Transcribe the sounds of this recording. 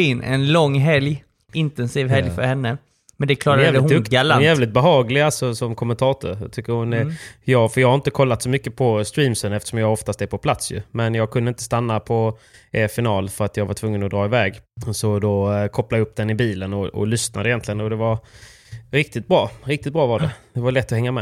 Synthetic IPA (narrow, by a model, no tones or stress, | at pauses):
ɪnɛ̰nlɔŋːɦɛlj | ɪnt̪ɛnsiːvɦɛljfœɾhɛnːə | mɛnd̪ɛkʰlɑːɾaæːvd̪k̪ːjæːvlɪt̪̚bɛɦɑːɡlɪalt̪sɔsɔmkʰɔmːənt̪ʰɑːt̪ʰʊ̰ɾt̪ʰʏkːəɾhʊnɛjɑːɡfœjɑɡhaɾɪnt̪əkʰɔlːat̪sɔmʏkːəpʰɔst̪ɾiːmsənɛft̪əʂɔmjɑːɡɔft̪ast̪ɛɾpʰɔpʰlat̪sjɵ̰mɛnjɑːɡ̚kʰɵnəɪnt̪əst̪anːapʰɔɛfɪnɑːlfœɾat̪jɑːɡvaʈʰvɵŋːənɔd̪ɾɑːɪvɛːɡsɔd̪okʰɔplaəɵpːd̪ɛnɪbiːlənɔɔ̰lʏsna̰d̪əɪjɛnt̪lɪɡənɔd̪ɛvaɾ | ɾɪkt̪ɪt̪̚bɾɑːɾɪk̚t̪ɪt̪̚bɾɑːvaɖɛd̪̥ɛvaɭɛt̪ːɔhɛŋːamɛ